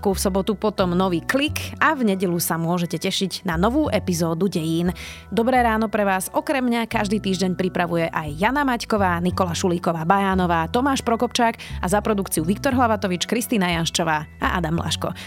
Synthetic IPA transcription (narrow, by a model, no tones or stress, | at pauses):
kufsɔbɔt̪upɔt̪ɔmnɔʋiːklikʔavɲɛɟɛlusamʊɔʒɛcɛcɛʃiɟnanɔʋuːʔɛpizɔːd̪uɟɛjiːn | d̪ɔbɾɛːɾaːnɔpɾɛʋaːzɔkɾɛmɲakaʒd̪iːt̪iːʒɟɛɲpɾipɾaʋujɛʔajːanamackɔʋaːnikɔlaʃuliːkɔʋaːbajaːnɔʋaːt̪ɔmaːʃpɾɔkɔpt͡ʃaːkazapɾɔd̪ukt͡siuʋikt̪ɔɾɦlaʋat̪ɔʋit͡ʃkɾist̪iːnajanʃt͡ʃɔʋaːaʔad̪amːla̰ʃkɔ̰